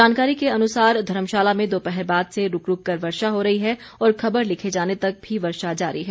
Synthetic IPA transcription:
d͡ʒaːnkaːɾikeɐnʊsaːɾd̪ʱɐɾəmʃaːlamẽd̪oːpɛɦɛɾbaːd̪seɾʊkɾʊkːɐɾʋɐɾʃaɦoɾɐɦiɦɛ | ɔːɾxʰɐbəɾlɪkʰed͡ʒaːnet̪ɐk̚bʱiʋɐɾʃad͡ʒaːɾiɦɛ

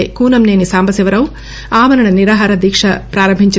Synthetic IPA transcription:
kuːnɐmneːnisaːmbʱɐsɐʋɐɾɐw | aːmɐɾɐɳɐniɾaːɦaːɾɐd̪iːkʂɐpɾaːɾɐmbʱiɲt͡ʃi

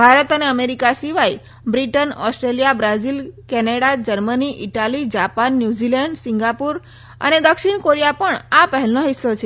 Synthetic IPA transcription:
bʱaɾət̪əneəmeɾikasiʋai | bɾiʈənɔsʈɾelijabɾazilkɛneɽad͡ʑəɾməniʔiʈalid͡ʑapanːjud͡ʑilɛɳɖsiŋɡapuɾ | ə̰ned̪əkʂiɳkoɾijapəɳapəɦɛlnoɦisːot͡ʃʰe

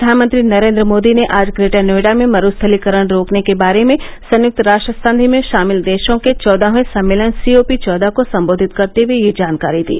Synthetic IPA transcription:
ɾd̪ʱaːnmə̃nt̪ɾinɐɾẽːnd̪ɾəmoːd̪ineʔaːd͡ʒɡɾeːʈəneːɽamẽmɐɾuːst̪ʰəlikəɾəɽ̃ɾoːknekebaːɾemẽsɐ̃njʊk̚t̪ɾaːʃʈɾəsə̃nd̪ʱimẽʃaːmɪld̪eːʃõket͡ʃɔːd̪ʱaɦẽsɐmːeːlənsioːpit͡ʃɔːd̪akosɐ̃mboːd̪ʱɪt̪kɐɾt̪eʋijed͡ʒaːnkaːɾid̪ḭː

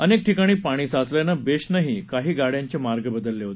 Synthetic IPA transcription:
ənek̚ʈʰikaɽ̃iːpaɽ̃iːsat͡sljanabeɕnaɦikaɦiːɡaɽjãɲt͡ɕemaɾɡəbəd̪əlːeɦot̪e

